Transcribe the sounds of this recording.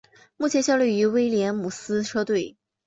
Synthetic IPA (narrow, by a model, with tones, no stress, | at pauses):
mu˥˩t͡ɕʰjɛ˧˥nɕjɑ˥˧ʊly˥˩y˧˥we˥ɪljɛ˧˥nmu˨˩sɹ̩˥ʈ͡ʂʰɤ˥t̪we˥˩ɪ